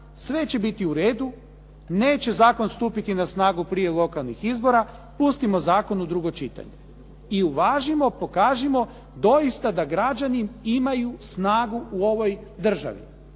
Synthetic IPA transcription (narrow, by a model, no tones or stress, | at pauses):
sʋe̞t͡ɕe̞bit̪iuɾeːd̪u | ne̞ːt͡ɕe̞zaːko̞nst̪uːpit̪inasnaːɡupɾijelˠo̞kalˠnixizbo̞ɾa | pust̪imo̞zaːko̞nud̪ɾuɡo̞t͡ʃit̪a̰ɲḛ | iuʋaːʒimo̞po̞kaːʒimo̞ | d̪o̞jist̪ad̪aɡɾad͡ʒanimimajusnaːɡuuo̞ʋo̞jd̪r̩ʒa̰ʋḭ